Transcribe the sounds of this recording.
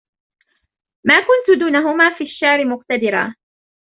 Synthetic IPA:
maːkʊnt̪ʊd̪uːnaɦʊmaːfiːaʃːaʕɾɪmʊqt̪ad̪ɪɾa̰ː

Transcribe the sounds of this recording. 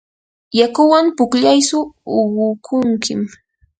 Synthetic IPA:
jakʊwampʊkʎajsʊːwʊkʰʊŋkɪm

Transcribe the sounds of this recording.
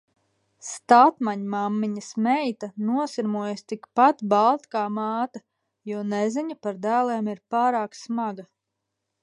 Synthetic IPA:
st̪at̪maɲmamːiɲɐsmɛjt̪anuɔsiɾmuɔjst̪ikpat̪balˠt̪kaːmɑːt̪a | juɔnɛziɲɐpaɾd̪æːlˠɛːmiɾpaːɾaːksmaɡɐ

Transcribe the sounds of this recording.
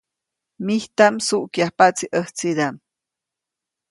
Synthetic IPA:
miht̪amsuʔkjahpat͡siʔəht͡siɾam

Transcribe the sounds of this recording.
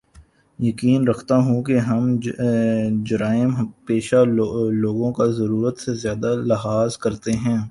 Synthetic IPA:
jɐkiːnɾɐkʰt̪aɦũkeɦɐm | d͡ʒɐɾaːɪmɦpeːʃaloːɡõkazɐɾuːɾət̪sezjaːd̪alɐɦaːzkɐɾt̪eɦɛ̃ː

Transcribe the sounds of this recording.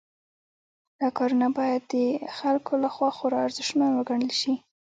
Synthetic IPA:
d̪̥ɑkɑɾunabɑjad̪ːəxalkʰolaxwɑxoɾɑaɾzɪʃmanwəɡaɳəlʃi

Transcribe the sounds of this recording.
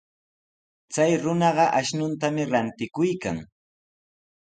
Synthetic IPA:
t͡sajɾʊnɑɢɑʔaʃnʊnt̪amɪɾant̪ɪkʊjka̰ŋ

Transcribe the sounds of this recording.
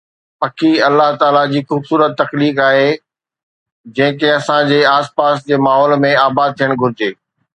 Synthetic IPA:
pɐkʰiɐlːaɦt̪aːlad͡ʑiːxuːbsuːɾət̪ːɐxliːkaːɦe | d͡ʑɐ̃ɦɪ̃keɐsãd͡ʑeːaːspaːsd͡ʑeːmaːɦɔːlmẽaːbaːd̪̚t̪ʰijəɽ̃ɡʱʊɾɪd͡ʑeː

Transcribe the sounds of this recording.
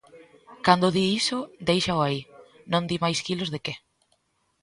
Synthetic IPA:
kand̪ʊðiisʊd̪ejʃaoainõnd̪imajskilozðeke

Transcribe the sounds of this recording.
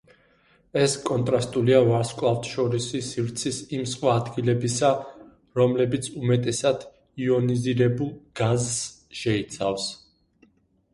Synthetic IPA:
ɛskʼɔnt̪ʼɾast̪ʼuliavaɾskʼlˠavt̪ʼʃɔɾisisiɾt̪sʰisimsχwaːd̪ɡilɛbisa | ɾɔmlɛbit̪sʰumɛt̪ʼɛsad̪̥ | iɔniziɾɛbulˠɡ̥azː | ʃɛit̪sʰafs

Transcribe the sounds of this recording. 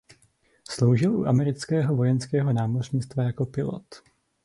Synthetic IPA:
slo̞wʒɪlʔṵʔamɛɾɪt͡skɛːɦo̞vo̞jɛnskɛːɦo̞naːmorɲiːt͡st̪vajako̞pɪlo̰t̪

